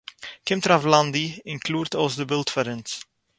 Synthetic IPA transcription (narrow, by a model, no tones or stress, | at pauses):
kɪ̃mtɾavlãndiɪ̃nkʰluːɾdɔzðəbɪlˠtfəɾə̃ns